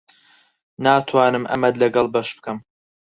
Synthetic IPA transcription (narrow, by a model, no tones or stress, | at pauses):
naːt̪ʰwaːnɨmʔɐ̰mɐd̪lɐɡɐlˠbɐʃb̥ɨkʰɐm